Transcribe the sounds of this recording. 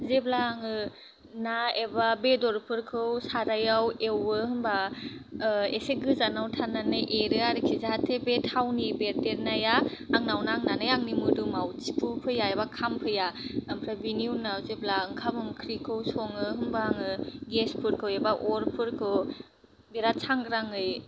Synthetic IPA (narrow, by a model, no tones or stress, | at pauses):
zeblaːŋɯ | naebabedɔɾpʰɯɾkʰɯwsaɾajawewɯhɯmba | eseɡɯzanawtʰanːanɯjʔeɾɯaɾɯkʰizaɦatʰebetʰawnibeɾdeɾnajaaŋnawnaŋnanɯjaŋnimudumawt͡ʃipʰupʰɯjaebakʰampʰɯjampʰɾabiniunazeblaɯŋkʰamɯŋkʰɾikʰɯwsɔŋɯɦɯmbaaŋɯɡespʰɯɾkʰɯwebaʔɔɾpʰɯɾkʰɯw | beɾat͡ʃʰaŋɡɾaŋɯj